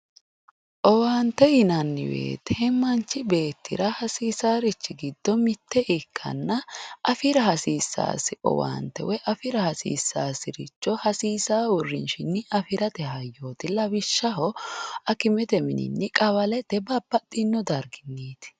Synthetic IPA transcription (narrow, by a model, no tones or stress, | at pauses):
ʔɔwaːnt̪ːɛjɪnɐnːɪ̰wḛːt̪ʰeːmːɐnt͡ʃːɪbe̞ːt̪ːɪ̰ɾɐhɐsiːsaːɾɪt͡ʃːɪɡɪd̪̥ːɔmɪt̪ːɛʔɪkʰːɐ̰nːɐʔɐfɪɾɐhɐsiːsːa̰ːsɪʔɔ̰wa̰ːnt̪ːɛ̰wɛʔɐfɪɾɐhɐsḭːsːaːsɪɾɪt͡ʃːɔhɐsiːsaːʊrːɪnʃɪnːɪʔɐfɪɾɐt̪ɛɦɐjːoːt̪ɪlɐbɪʃːɐɦɔɐkɪmɛt̪ɛmɪnɪ̰nːɪkʼɐwɐlɛt̪ɛbɐbːɐt̪ʼːɪnːɔd̪ɐɾɡɪnːeːt̪ɪ̥